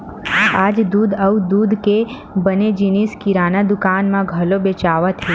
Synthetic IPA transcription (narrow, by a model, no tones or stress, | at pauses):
aːd͡ʒd̪uːd̪əud̪uːd̪ke | bəned͡ʒiniskiɾaːnad̪ʊkaːnmãɡʱɐlobet͡ʃaːʋət̪ʰɦe